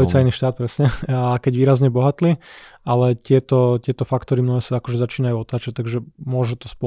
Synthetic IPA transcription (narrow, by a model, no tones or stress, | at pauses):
it͡ssajniʃt̪aːt̪̚pɾɛsɲɛakɛɟʋiːɾazɲɛbɔɦat̪liːalɛt̪ɪɛt̪ɔcɪɛt̪ɔfakt̪ɔɾimnɔɦɛsaakɔʒɛzat͡ʃiːnajuɔt̪aːt͡ʃac̚t̪aɡʒɛmʊɔʒut̪ɔspɔ